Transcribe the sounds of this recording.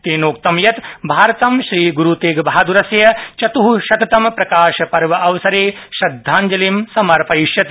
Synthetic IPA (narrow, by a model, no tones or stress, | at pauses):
t̪eːnoːk̚t̪ɐmjɐt̪bʱaːɾɐt̪ɐmʃɾiːɡuɾut̪eːɡbʱaːd̪uɾɐsjɐt͡ʃɐt̪uɦuʃɐt̪ɐt̪ɐmpɾɐkaːʃɐpɐɾʋɐʔɐʋɐsɐɾeːʃɾɐd̪ʱːaːɲd͡ʒɐlimsɐmɐɾpɐiʃjɐt̪